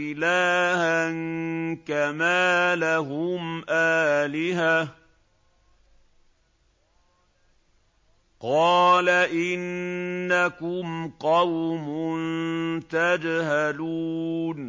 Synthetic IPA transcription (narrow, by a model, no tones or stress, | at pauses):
ɪlaːhankamaːlaɦʊmʔaːlɪɦa | qɑːlaʔɪnːakʊmqɑwmʊnt̪ad͡ʒhaluːn